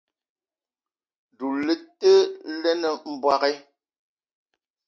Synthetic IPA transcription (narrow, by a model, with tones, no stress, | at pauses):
du˨le˦tːə˦lɛ˦nə˨m̩˨bwa˦ɣɛ˦